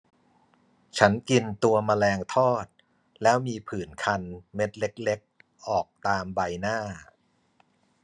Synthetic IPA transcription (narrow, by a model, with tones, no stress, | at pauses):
t͡ɕʰa˦˥nki˧nt̪u˧ɐma˧lɛː˧ŋt̪ʰɔː˥˩t̪̚ | lɛː˦˥wmiː˧pʰɯː˨˩nkʰa˧nme˦˥t̪̚le˦˥k̚le˦˥k̚ | ʔɔː˨˩k̚t̪aː˧mba˧jnaː˥˩